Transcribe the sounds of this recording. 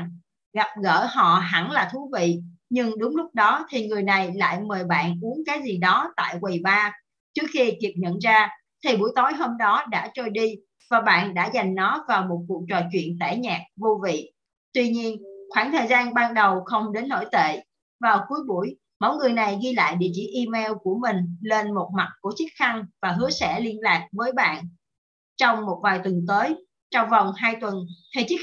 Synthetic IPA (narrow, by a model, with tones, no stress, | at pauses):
ɣa˨˩p̚ɣə̰ː˧˩ɦɔ̰˧˨ɦa˧˩nlaː˨˩t̪ʰu˨˦vḭ˧˨ɲɨ˧ŋɗʊ˨˦ŋ͡mlʊ˦˥k͡p̚ɗɔ˨˦t̪ʰi˨˩ŋɨ˨˩əjna˨˩jla̰ː˧˨jməː˨˩jɓa̰ː˧˨nʔu˨˦ənkaː˨˦jzi˨˩ɗɔ˨˦t̪a̰ː˧˨jkwi˨˩ɓaː˧ | t͡ɕɨ˦˥ək̚xi˧t̪i˨˩əp̚ɲə̰˧˨nzaː˧ | t̪ʰi˨˩ɓu˧˩əjt̪o˨˦jɦo˧mɗɔ˨˦ɗa̰ː˧˥t͡ɕo˧jɗi˧ | vaː˨˩ɓa̰ː˧˨nɗa̰ː˧˥za˨˩jŋ̟nɔ˨˦vaː˨˩wmo˨˩t̚kṵ˨t͡ɕɔ̰˨t͡ɕwḭ˧˨ənt̪a˧˩ɲaː˨˩k̚vu˧vḭ˧˨ | t̪wi˧ɲi˧ənxwaː˧˩nt̪ʰəː˨˩jzaː˧nɓaː˧nɗə˨˩wxə˧wŋ͡mɗe˨˦nːo̰˧˥˩jt̪ḛ˧˨ | vaː˨˩wku˨˦əjɓṵ˧˩əj | ma˨˦wŋ͡mŋɨ˨˩əjna˨˩jɣi˧la̰ː˧˨jɗḭ˧˨ət͡ɕḭ˧˩ʔi˧mɛ˧wku˧˩əmï˨˩ŋ̟le˧nmo˨˩t̚ma˨˩t̚ku˧˩ət͡ɕi˦˥t̚xa˧ŋvaː˨˩ɦɨ˨˦əsɛ̰˧˩li˧ənlaː˨˩k̚vəː˨˦jɓa̰ː˧˨n | t͡ɕɔ˧wŋ͡mmo˨˩t̚vaː˨˩jt̪wə˨˩nt̪əː˨˦j | t͡ɕɔ˧wŋ͡mvɔ˨˩wŋ͡mhaː˧jt̪wə˨˩nt̪ʰə˨˩t͡ɕ̚